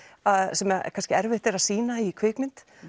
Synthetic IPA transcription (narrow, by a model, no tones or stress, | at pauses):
aðsɛmɛkʰanscɪɛɾvɪht̪ɛɾaðsiːnaikʰvɪːkmɪnt̪